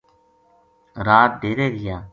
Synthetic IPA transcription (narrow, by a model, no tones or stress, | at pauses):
ɾaːt̪̚d̪eːɾeːɡɪjaː